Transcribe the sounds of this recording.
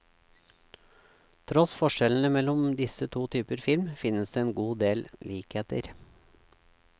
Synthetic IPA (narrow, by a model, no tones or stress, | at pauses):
t̪ʰɾɔsfɔʃɛln̩əmɛlɔmd̪ɪsət̪ʰuːt̪ʰyːpəɾfɪlmfɪnəsd̪eːeːnɡuːd̪eːlliːkheːt̪ə̰ɾ